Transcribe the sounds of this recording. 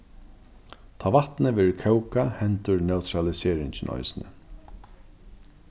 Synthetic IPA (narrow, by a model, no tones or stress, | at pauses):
t̪ʰaːʋat̪nɪʋɛːɾkʰœwkahɛnt̪ʊɹnɛwt̪ʰɾalɪseːɾɪɲt͡ɕɪnʔɔ̰jsnɪ̰